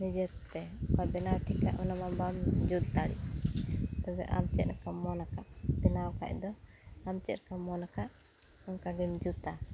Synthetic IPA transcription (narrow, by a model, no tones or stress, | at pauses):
nid͡ʒət̪ːɛkɔbɛnawʈʰikla̰ʔɔnamabamd͡ʒut̪̚t̪aɽḭʔ | t̪ɔbɛ̰ʔa̰mt͡ʃɛt̪̚ɾkamɔnakaʔbɛnawka̰ʔ̚d̪ɔ | amt͡ʃɛt̪̚ɾkamɔnakaʔ | ɔŋkaɡimd͡ʒut̪a